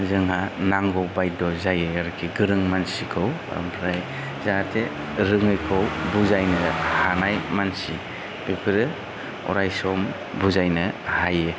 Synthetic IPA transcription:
zɯŋhanaŋɡɔwbajdɔzajeaɾkʰiɡɯɾɯŋmansikʰɯwa̰mpʰɾaj | zatʰe | ɾɯŋɯjkʰɯwbuzajnɯhanajmansi | bepʰɯɾɯ | ɔ̰ɾajsɔm | buzajnɯhaje

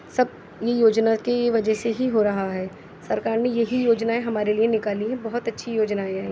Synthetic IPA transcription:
sɐb̚ | jejoːd͡ʒnakiʋɐd͡ʒɛseɦiɦoːɾɐɦaɦɛː | sɐɾkaːɾnejɐɦijoːd͡ʒnaẽɦɐmaːɾelienɪkaːliɦɛ̃bɐɦʊt̪ɐtːʃʰijoːd͡ʒnaẽɦɛ̃ː

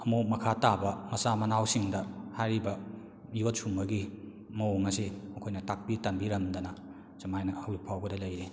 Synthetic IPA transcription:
ɐmomɐkʰatabɐmɐsamɐnawsiŋdɐhajɾibɐ | ijot̚sumbɐɡi | mɐoŋɐseɐkʰojnɐtak̚pitɐmbiɾɐmd̪ɐnɐ | sɐmajnɐɐwipʰawɡɐdɐlɐjɾe

